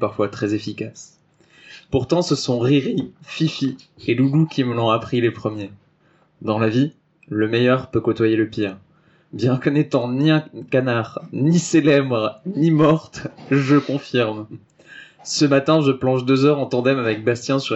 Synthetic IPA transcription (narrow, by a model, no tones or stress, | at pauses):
paʁfwat̪χɛzefikas | puʁt̪ɑ̃səsɔ̃ʁiʁififieluɡukʲiməlɔ̃apχilepχəmje | d̪ɑ̃lavi | ləmɛjœʁpøkɔt̪wajeləpiːʁ | bjɛ̃kənɛt̪ɑ̃niɛ̃kanaʁniselɛbʁnimɔʁt̪ʒəkɔ̃fiʁm | səmat̪ɛ̃ʒəplɑ̃ʒd̪øzœʁɑ̃t̪ɑ̃d̪ɛmavɛk̚bast̪jɛ̃syʁ